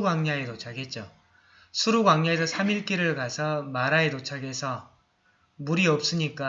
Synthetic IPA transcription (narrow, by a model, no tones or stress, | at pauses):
ɡwaŋɲaetot͡ɕʰaɡe̞t̚t͡ɕ͈o | sʰuɾuɡwaŋɲaesʰʌsʰamiɭk͈iɾɯɭkasʰʌmaɾaetot͡ɕʰaɡe̞sʰʌ | muɾiʌp̚s͈ɯɲik͈a